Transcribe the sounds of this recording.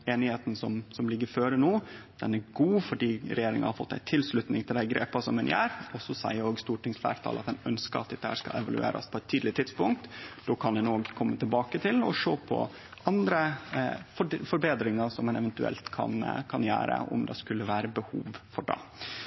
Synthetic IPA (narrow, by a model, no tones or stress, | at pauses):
eːnɪheːt̪n̩sɔmsɔmlɪɡːəɾføːɾənuːd̪̥ɛnæɾɡuːfɔɖiːɾɛjeːɾɪŋɑnhɑɾfɔt̪ːæ̰ɪt̪ʰɪlslʉt̪nɪŋt̪ʰɪld̪æɪɡɾḛːpɑsɔmɛnjæːɾɔsɔsæ̰ɪəɾoːɡst̪uːʈɪŋsflæ̰ːɾt̪ʰɑ̰ːlʔɑt̪d̪ɛnœnskəɾɑt̪̚d̪ɛt̪ːəhæ̰ːʂkɑ̰ɛ̰ʋɑlʉ̰ḛːɾɑ̰spʰɔɛt̪ʰːiːd̪lɪt̪ʰɪd̪spʊŋk̚t̪d̪oːkʰɑnd̪ɛnoːɡkʰɔmːət̪ʰɪlbɑːkət̪ʰɪlɔʂoːpʰɔ̰ | ɑnd̪ɾəfɔfɔɾbeːd̪ɾɪŋɑɾsɔmːɛnɛʋɛnt̪ʉɛ̰lt̪kʰɑ̰nkʰɑnjæ̰ːɾə̰ʔʊ̰md̪ɛ̰skʉlːəʋæːɾəbəhṵːʋfɔɖɑ̰ː